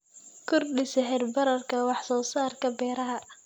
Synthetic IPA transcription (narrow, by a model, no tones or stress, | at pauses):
kʰʊrɗɪsɛħɛrbɐɾɐrkʰɐwɑħsɔːsaːrkʰɐbɛːɾɐɦɐ